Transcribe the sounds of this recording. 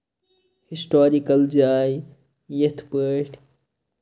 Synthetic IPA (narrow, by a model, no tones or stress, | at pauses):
hisʈoːɾikɐld͡ʒaːj | jet̪ʰpəʈ